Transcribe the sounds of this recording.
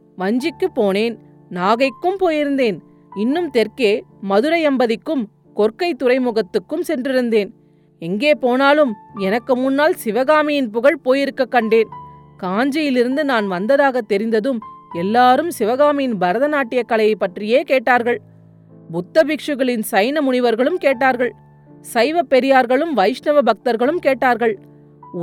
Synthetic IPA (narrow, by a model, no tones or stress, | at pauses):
ʋɐɲd͡ʒɪkːɯpːoːneːn | naːɣɐɪkːɯmpoːjɪɾɯnd̪eːn | ɪnːɯmt̪ɛɾkeːmɐðɯɾɐjɛmbɐðɪkːɯm | kɔɾkɐɪt̪ːʊɾɐɪmʊɣɐt̪ːɯkːɯmsɛndrɪɾɯnd̪eːn | ɛŋɡeːpoːnaːlɯmɛnɐkːɯmʊnːaːlsɪʋɐɣaːmɪjɪnpʊɣɐɭpoːjɪɾɯkːɐkːɐɳɖeːn | kaːɲd͡ʒɐjɪlɪɾɯnd̪ɯnaːnʋɐnd̪ɐðaːɣɐt̪ːɛɾɪnd̪ɐðɯmɛlːaːɾɯmsɪʋɐɣaːmɪjɪnbɐɾɐðɐnaːʈːɪjɐkːɐɭɐjɐɪpːɐʈrɪjeːkeːʈːaːɾɣɐɭ | bʊt̪ːɐbɪkʂɯɣɐɭɪnsɐɪnɐmʊɳɪʋɐɾɣɐɭɯmkeːʈːaːɾɣɐɭ | sɐɪʋɐpːɛɾɪjaːɾɣɐɭɯmʋɐɪʂnɐʋɐbɐk̚t̪ɐɾɣɐɭɯmkeːʈːaːɾɣɐɭ